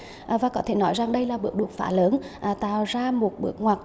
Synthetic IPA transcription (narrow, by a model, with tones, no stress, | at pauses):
ʔvaː˨˩kɔ˨˦t̪ʰe˧˩nɔ˨˦jza˨˩ŋɗə˧jlaː˨˩ɓɨ˨˦˥ək̚ɗu˨˩ək̚fa̰ː˧˩ləː˨˦nʔːt̪a̰ː˧˨wzaː˧mo˨˩t̚ɓɨ̰˨˦˥ək̚ŋwaː˨˩k̚